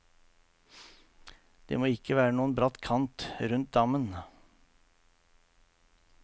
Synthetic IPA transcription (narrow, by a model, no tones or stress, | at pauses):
d̪̥ḛːmoːɪkəʋæːɾənuːənbɾɑt̪kʰɑnt̪ɾʉnt̪̚d̪ɑmən